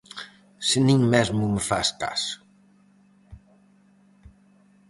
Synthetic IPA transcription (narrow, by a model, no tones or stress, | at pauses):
sɪnĩŋmɛzmuməfa̰ska̰s